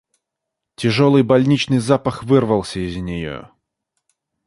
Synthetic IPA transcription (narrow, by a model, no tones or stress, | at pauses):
tʲɪʐolˠɨjbɐlʲnʲit͡ɕnɨjzapəxvɨrvəlˠsʲəɪzʲnʲɪjo̰